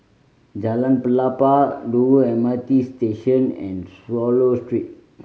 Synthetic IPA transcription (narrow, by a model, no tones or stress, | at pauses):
d͡ʒalãnpəlapaɖuɛmat̪isteʃə̃nɛ̰̃nswɔlostɹit̚